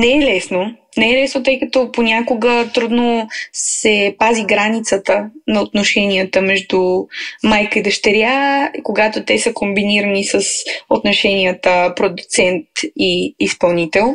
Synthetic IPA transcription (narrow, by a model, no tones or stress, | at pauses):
nɛɛlɛsno | nɛɛlɛsnot̪ɤjkət̪oponʲakʊɡət̪ɾud̪nosɛpaziɡɾanit̪sət̪ənɐot̪noʃɛniət̪əmɛʒd̪umajkəid̪ɐʃt̪ɛɾʲakoɡat̪ot̪ɛsəkombiniɾənisəsot̪noʃɛniət̪əpɾod̪ut̪sɛnt̪iːspɐlˠnit̪ɛlˠ